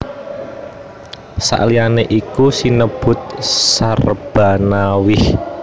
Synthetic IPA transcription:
sa̰ʔlianeʔikusinəb̥ʊ̤t̪̚sarb̥a̤nawɪh

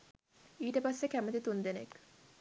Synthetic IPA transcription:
iːʈəpasːekæmət̪it̪und̪enḛk

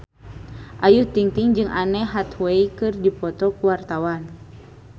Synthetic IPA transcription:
ʔajuht̪iŋt̪iŋd͡ʒɨŋʔanɛɦat̪wɛikɨrdipɔt̪ɔkuwart̪awan

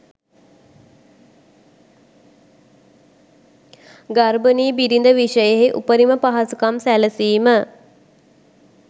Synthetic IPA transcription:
ɡarbəniːbiɾind̪əʋiʃəjəɦeʔupəɾiməpaɦasukamsæləsiːmə

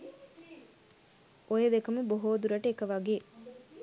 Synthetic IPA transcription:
ojed̪ekɐmuboɦoːd̪uɾɐʈəekəʋɐɡeː

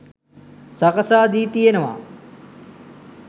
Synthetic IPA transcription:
sɐkəsaːd̪iːt̪ienɐʋa̰ː

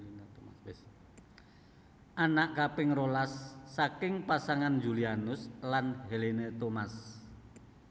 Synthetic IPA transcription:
anaʔkapɪŋrolasːakɪŋpasaŋand͡ʒulianʊslanhelenet̪omas

